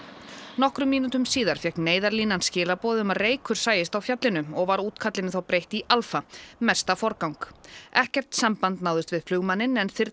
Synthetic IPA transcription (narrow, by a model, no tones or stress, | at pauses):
nɔhkɾʏmːiːnut̪ʏmsiːðaɾ̥fjɛhkneːjðaɾliːnanscɪːlapɔːðʏmareːjkʰʏɾ̥saːjɪst̪awfjat̪lɪnʏɔɣvaɾuːt̪kʰat̪lɪnɪθawpɾejht̪iʔalfamɛ̥st̪afɔɾkawŋkɛhcɛr̥t̪sampant̪naːwðʏst̪vɪðflʏɣmanːɪnɛnθɪɾ